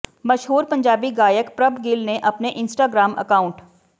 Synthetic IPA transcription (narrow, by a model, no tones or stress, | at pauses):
mɐʃɦuːɾpɐ̃ɲd͡ʒaːbiɡaːjəkpɾɐbɡɪlnẽʔɐpneʔɪnsʈaːɡɾaːmɐ̰kaːʊ̃ɳʈ